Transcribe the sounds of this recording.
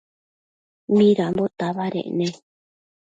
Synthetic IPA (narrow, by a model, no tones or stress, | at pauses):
mĩɾambot̪aβaɾḛ̃ʔnẽ